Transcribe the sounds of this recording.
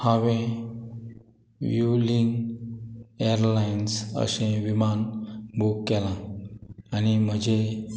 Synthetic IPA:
hãʋẽ | ʋjuliŋɡ | eəɾlainsə̰sẽʋimanbʱukːɛlã | añim̤əd͡ʑʱe

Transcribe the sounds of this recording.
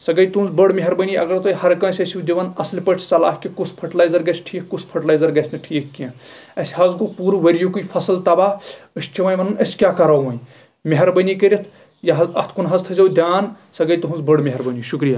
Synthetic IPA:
sɐɡɐjt̪unzbəɽmiɦɐɾbɐnʲiɐɡɐɾt̪ohɐɾkɐ̃ːsʲɐsʲiwd̪iʋɐnɐslʲpəʈʰsɐla̰ːɦkʲikuspʰɐʈlaːjzɐɾɡɐt͡ʃʰʈʰiːkʰkuspʰɐʈlaːjzɐɾɡɐsʰʲnɨʈʰiːkʰkiɐ̃ | ɐsʲɦɐzkupuːɾʋɐɾjukujfʰɐslt̪ɐbaːɦəst͡ʃʰiʋaːjʋɐnɨnɐsʲkʲaːkɐɾawʋɐ̃j | meɦɐɾbɐnʲikəɾʲit̪ʰ | jɐɦɐɐ̰t̪ʰkunɦɐzt̪ʰɐzʲɐwd̪ʲaːn | sɐɡɐjt̪uɦunzbəɽmeɦɐɾbɐnʲiʃukɾijaː

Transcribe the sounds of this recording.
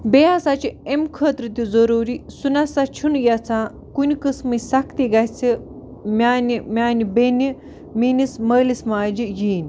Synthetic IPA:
beasat͡ʃʰiemkʰəːt̪ɾɨt̪ʲizɐɾoːɾisunasat͡ʃʰunjat͡sʰãː | kunikɨsmɨsakʰt̪iɡat͡sʰi | mʲaːnimʲaːnibeni | minisməːlismaːd͡ʒijiːnʲi

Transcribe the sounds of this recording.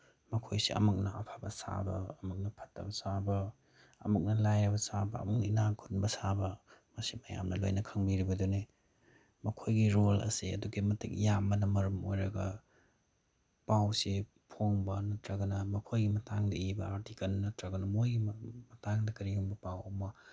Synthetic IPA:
mɐkʰojsḭʔɐ̰muk̚nɐʔɐ̰pʰabɐ̰sa̰bɐ̰ːmuk̚nɐpʰɐ̥tːɐ̰bɐsabɐ | ɐ̰muk̚nɐlajɾɐbɐsabɐ̰ːmuk̚nɐinaŋkʰunbɐsabɐmɐsimɐja̰mnɐlo̰jnɐkʰɐŋbiɾibɐduni | mɐkʰojɡiɾolɐ̰siɐ̰duɡimɐtʰik̚jamːɐnɐmɐɾɐmo̰jɾɐɡɐ̰ | pawsi | pʰoŋbɐnɐtɾɐɡɐnɐmɐkʰojɡimɐtaŋdɐibɐaɾtikɐlnɐtɾɐɡɐnɐmojɡimɐtaŋdɐkɐɾiɡuŋbɐpawɐmːɐ

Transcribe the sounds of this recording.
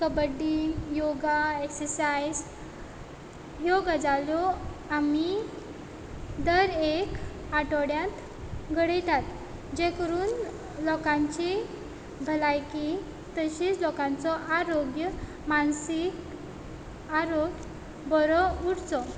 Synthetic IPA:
kəbəɖijoɡaeksəɾsajd͡z | joɡad͡zaljɔami | d̪əɾek | aʈɔɽjãt̪ | ɡʱəɽəjt̪at̪ | d͡ʑẽkəɾuːn | lɔkãɲt͡ɕi | bʱəlajki | t̪əɕit͡slɔkãnt͡sɔʔaɾoɡjə | mansik | aɾoɡ | bɔɾɔuɽt͡sɔ

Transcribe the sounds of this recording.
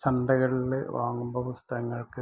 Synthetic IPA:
t͡ɕɐnd̪ɐɣɐɭileʋaːŋːumboʋust̪ʰɐɣɐŋːɐɭkɨ

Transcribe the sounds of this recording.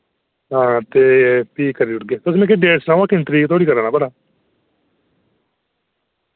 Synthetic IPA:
ɦãːt̪eːpiːkəɾiːʊʈɡeːt̪ʊs̬mɛ̃ːkeɖeːɽsnãːʋaːkɪnt̪ɾiːɡt̪ʰoːɽiːkəɾaːɳaːbəɽaː

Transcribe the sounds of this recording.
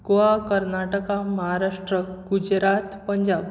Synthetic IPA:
ɡoakəɾnaʈəkaməɦaɾaʂʈɾəɡud͡ʑɾat̪pəɲd͡ʑab

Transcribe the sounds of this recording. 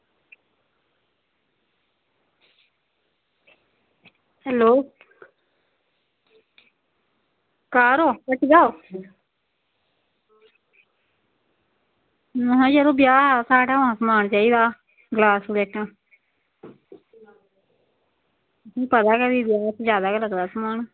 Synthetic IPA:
hɛːloː | kaːɾoːkəʈɡaːo | nɦãːd͡ʒəɾoːbjaːɦɛːsaːʈaːãːsəmaːɳt͡ʃaːiːd̪aː | ɡlaːsleːʈnãː | sĩːpət̪aːkəɾiːd̪jaːt̪ʰd͡ʒjaːd̪aːkləɡd̪aːsəmaːn

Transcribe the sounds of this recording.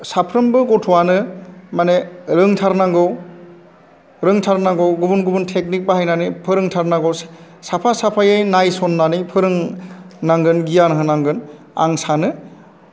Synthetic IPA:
sapʰɾɯmbɯɡɔtʰɔwanɯmaneɾɯŋtʰaɾnaŋɡɯw | ɾɯŋtʰaɾnaŋɡɯwɡubunɡubuntʰek̚nik̚baɦajnanɯjpʰɯɾɯŋtʰaɾnaɡɔw | sapʰasapʰajajnajsɔnːanɯpʰɯɾɯŋnaŋɡɯnɡijanɦɯnaŋɡɯn | a̰ŋsanɯ

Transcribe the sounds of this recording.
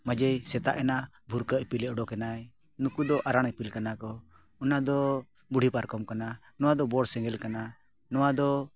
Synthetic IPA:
mad͡ʒɛjsɛt̪a̰ʔɛna | bʱuɾkəʔpilɛʔɖɔkɛnaj | nukud̪ɔʔaɾaɽ̃ɛpilkanakɔ | ɔnad̪ɔ | buɽ̤ʱipaɾkɔmkana | nɔwad̪ɔbɔɽsɛ̃ŋɡɛlkana | nɔwad̪ɔ

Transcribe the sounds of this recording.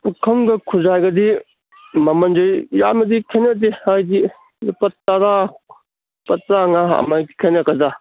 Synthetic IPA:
kʰɐŋɡɐkʰuzajɡɐdi | mɐmɐnd͡ʒɯjja̰mɐdikʰenɐdihajdi | ipɐaɾa | pɐtɾaŋaɐ̰majki̥kʰenɐkɐda

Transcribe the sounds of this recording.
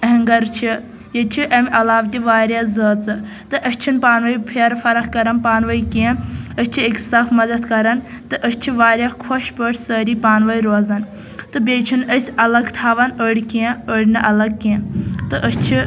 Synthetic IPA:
ɐɦŋɡɐɾt͡ʃʰi | jet͡ʃʰiʔɐmʲʔɐlaːʋt̪ʲiʋaːɾjaːzəːt͡sɨ | t̪ɨʔəst͡ʃʰunpaːnʋɐjpʰeɾfɐɾɐxkɐɾɐnpaːnʋɐjkẽːnəsʲt͡ʃʰieksɐfʰmɐd̪ɐd̪kɐɾɐn | t̪ɨʔəst͡ʃʰiʋaːɾʲjakʰoʃbəʈʰsəːɾiːpaːnʋɐjɾoːzɐn | t̪ɨbʲeːt͡ʃʰunəsʲɐlɐɡt̪ʰaːʋɐnəɽʲikiəɽʲnɨʔɐlɐɡ̚kːẽːt̪ɨʔəst͡ʃʰi

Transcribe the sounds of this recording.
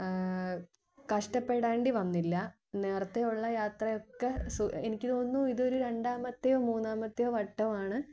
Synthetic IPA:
kɐʂʈɐpːe̞ɽaːɳɖiʋɐnːilːɐ | ne̞ːrɐt̪ːejuɭːɐjaːt̪rɐjo̞kːesuenikʲːɨt̪oːnːuiðo̞ɾuɾe̞ɳɖaːmɐt̪ːejoːmuːnːaːmɐt̪ːejoːʋɐʈːɐmaːɳɨ

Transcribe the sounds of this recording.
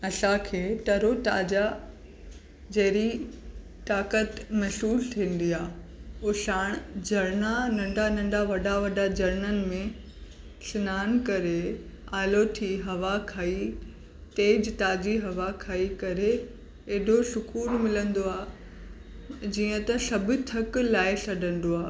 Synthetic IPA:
ɐsãkʰeːʈɐɾot̪aːd͡ʑa | d͡ʑɐɦɾi | t̪aːkət̪mɐʃuːlt̪ʰĩːn̆d̪iaːoːʃaːɽ̃d͡ʑɐɾnanɐ̃ɳɖanɐ̃ɳɖʱaʋɐɗaʋɐɗad͡ʑɐɾnənɪ̆mẽ | sɪnaːnkɐɾe | aːloʈʰiɦɐʋakʰaːi | t̪eːd͡ʑt̪aːd͡ʑiɦɐʋakʰaːikɐɾe | eːɖʱosʊkuːlmɪlə̃nd̪oaː | d͡ʑiːə̃t̪ɐsɐbʱɪt̪ʰəklaːɪsɐɖʱə̃n̆d̪oaː

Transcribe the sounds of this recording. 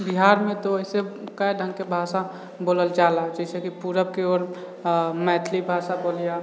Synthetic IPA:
biɦaːɾmẽt̪oəɦisekəjɖʱə̃ŋɡkebʱaːsa | boːləld͡ʒaːlad͡ʒɛɪsekipuɾəb̚keoːɾ | mɛːt̪ʰlibʱaːsaboːlija

